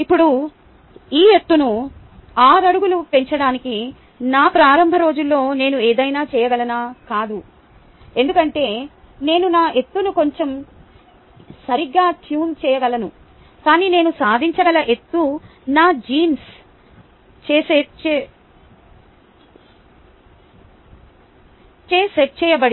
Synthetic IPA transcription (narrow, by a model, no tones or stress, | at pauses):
ipːuɽu | iːe̞t̪ːunu | aːɾɐɽuɡulupe̞ɲt͡ʃɐɽaːniki | naːpɾaːɾɐmbʱɐɾo̞ːd͡ʒulːo̞ːne̞ːnueːd̪ɐjnaːt͡ʃɛːjɐɡɐlɐnaːkaːd̪u | e̞nd̪ukɐɳʈe̞ː | ne̞ːnunaːʔe̞t̪ːunuko̞ɲt͡ʃe̞m | sɐɾiɡːaːʈjuːnt͡ʃɛːjɐɡɐlɐnu | kaːniːne̞ːnusaːd̪ʱiɲt͡ʃɐɡɐlɐʔe̞t̪ːunaːd͡ʒiːns | t͡ʃeːseːt͡ʃe | t͡ʃeːseʈ̚t͡ʃɛːjɐbɐɽi